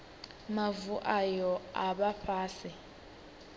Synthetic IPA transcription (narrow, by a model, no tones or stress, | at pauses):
mavuʔajɔaɓaɸʰaːsi